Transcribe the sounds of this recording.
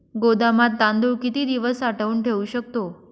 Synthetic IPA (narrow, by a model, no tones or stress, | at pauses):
ɡod̪amat̪̚ːãnd̪uɾkit̪iːd̪iʋəsaʈʰəuːɳʈʰeuɕək̚t̪o